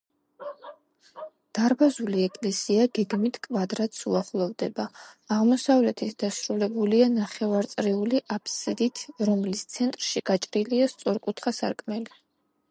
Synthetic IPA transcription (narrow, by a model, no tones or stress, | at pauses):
d̪̥aɾbazuliɛkʼlɛsiaɡɛɡmit̪ʰkʼvad̪ɾat̪suaχlˠɔvd̪ɛbaːʁmɔsavlɛt̪ʰit̪ʰd̪̥asɾulɛbulianaχɛvaɾt̪sʼɾiuliʔapʰsid̪it̪ʰɾɔmlist̪sʰɛnt̪ʼɾʃiɡ̥at͡ʃʼɾiliast̪sʼɔɾkʼut̪ʰχasa̰ɾkʼmɛli